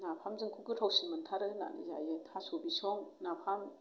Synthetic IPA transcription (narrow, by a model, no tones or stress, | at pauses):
napʰamzɯŋkʰukɯtʰawsinmɯntʰaɾɯna̰nḭza̰jetʰasobisɔŋnapʰam